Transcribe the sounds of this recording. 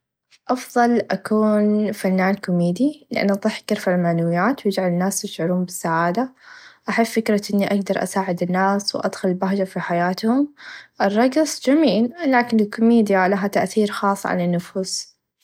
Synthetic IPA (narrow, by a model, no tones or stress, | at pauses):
ʔɑfðˤɑlʔakuːnfanːaːnkʊmiːd̪ilɪʔa̰nːʔɑðˤɨħkːɪɾfalmaʕnawɪjːaːt̪wjɪd͡ʒʕalɪnːaːst̪ɪʃʕʊɾuːmbɪsːaʕaːd̪aʔaħɪbːɪkɾˤɑʔɪnːiʔaɡd̪ɑɾˤʔa̰saːʕɪd̪ɪnːaːswʔa̰d̪xʊllbaɦd͡ʒafiħajaːt̪hʊmʔɪrˤːɑɡsˤd͡ʒamiːllaːkɪnɪlkʊmiːd̪jalaɦat̪aʔθiːɾxɑːsˤːʕa̰lanːʊfuːs